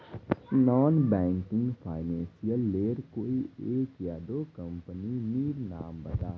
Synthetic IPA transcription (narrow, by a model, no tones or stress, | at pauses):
nɔːnbɛ̃ːŋkɪ̃ŋɡpʰaːɪnɛ̃ːnsijəlːeːɾkoːieːkjaːd̪oːkə̃mpəniniːɾnaːmbət̪aː